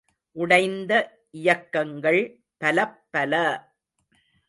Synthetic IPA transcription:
ʔʊɽɐɪnd̪ɐ | ʔɪjɐkːɐŋɡɐɭ | pɐlɐpːɐlɐ

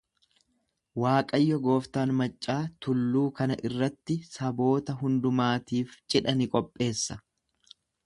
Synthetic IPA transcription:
waːkʼɐjːɔɡo̞ːft̪aːnmɐt͡ʃʼːaːt̪ʊlːuːkɐnɐʔɪrːɐt̪ːɪsɐbo̞ːt̪ɐɦʊnd̪ʊmaːt̪iːft͡ʃʼɪᶑɐnɪkʼɔpʼːe̞ːsːɐ

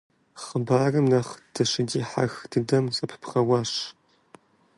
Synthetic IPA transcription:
χəbaːrɨmnaχd̥ʰɐɕɪdiːħaxdʰɨdɐmsʼɐpʰɨ̥pʰχɐwaːɕ

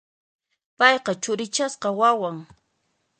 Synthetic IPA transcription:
pɑjqɑt͡ʃʊɾɪt͡ʃasqɑwawaŋ

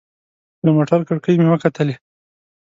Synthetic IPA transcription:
d̪əmoʈaɾkəɽkəjmewəkat̪əle

